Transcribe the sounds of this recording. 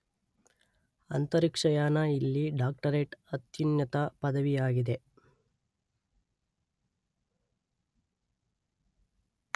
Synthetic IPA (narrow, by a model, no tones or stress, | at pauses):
ɐnt̪ɐɾikʂɐjaːnɐilːiɖaːk̚ʈɐɾeʈɐt̪jinjɐt̪ɐpɐd̪ɐʋijaːɡid̪e̞